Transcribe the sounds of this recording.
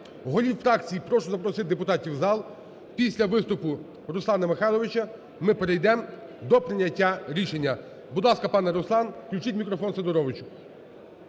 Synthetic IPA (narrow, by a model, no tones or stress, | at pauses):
ɦɔlʲiwfɾɑkt͡sʲijipɾɔʃʊzɐpɾɔsɪd̪epʊt̪ɑtʲiwzɑlˠ | pʲisʲlʲɐʋɪst̪ʊpʊ | ɾʊslˠɑnɐmexɑjlˠɔʋɪt͡ʃɐ | mɪpeɾejd̪ɛm | d̪ɔpɾɪnʲɐtʲːaɾʲiʃenʲːɐ | bud̪lˠɑskɐpɑnɛɾʊslˠɑnklʲuwt͡ʃitʲmʲikɾɔfɔnsed̪ɔɾɔʋɪt͡ʃʊ̥